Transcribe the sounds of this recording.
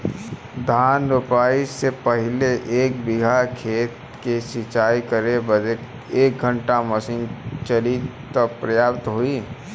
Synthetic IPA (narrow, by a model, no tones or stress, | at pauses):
d̪ʱaːnɾʊpaːisepəɦɪleʔeːk̚bɪɡʱakʰeːt̪ | kesɪt͡ʃaːikəɾebəd | eːk̚ɡʱə̃ɳʈaməsiːnt͡ʃəlit̪əpɾəjaːbt̪ɦui